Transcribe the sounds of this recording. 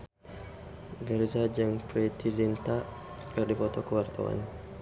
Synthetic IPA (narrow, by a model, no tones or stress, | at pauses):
ɡərzad͡ʒaŋpɾɛt̪ʰizint̪aʔ | kərdipɔt̪ɔkəwart̪a̰wa̰n